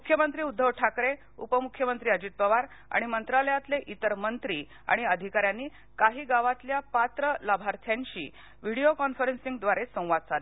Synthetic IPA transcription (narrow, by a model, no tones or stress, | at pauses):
mukʰjəmənt̪ɾiːud̪ʱːəʋʈʰakɾe | ṵpəmukʰːjəmənt̪ɾiːəd͡ʑit̪̚pəʋaɾ | a̰ɽ̃imənt̪ɾaləjat̪leʔit̪əɾmənt̪ɾiː | a̰ɽ̃iəd̪ʱikaɾjanːiː | kaɦiːɡaʋat̪ljapat̪ɾəlabʱaɾt̪ʰjãɲt͡ɕḭː | ʋiɽiokɔnfəɾensĩŋɡd̪ʋaɾesə̃w̃ʋad̪̚t͡sali